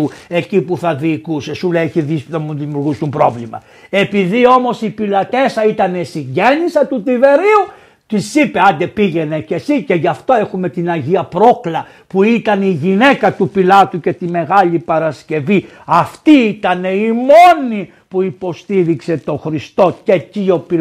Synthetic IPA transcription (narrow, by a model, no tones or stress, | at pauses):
ue̞cipuθɐðiːkusesuleeçiðiɐmuðimjuɾɣust̪umpɾo̞̰vlimɐ̰ | e̞piðio̞mo̞sipilɐt̪e̞sɐit̪ɐne̞siɲɟe̞nisɐt̪ut̪ive̞ɾiu | t̪isipe̞ɐnd̪e̞piʝe̞ne̞ce̞sice̞ʝɐft̪o̞e̞xume̞t̪inɐʝiɐpɾo̞klɐ | puit̪ɐniʝine̞kɐt̪upilɐt̪uce̞t̪ime̞ɣɐʎipɐɾɐsce̞vi | ɐft̪iit̪ɐne̞imo̞ni | puipo̞st̪iɾikse̞t̪o̞xɾist̪o̞ce̞cio̞pi